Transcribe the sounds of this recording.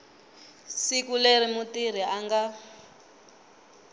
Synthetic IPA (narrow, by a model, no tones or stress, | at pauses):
sikulerimutiɾ̤iaŋɡa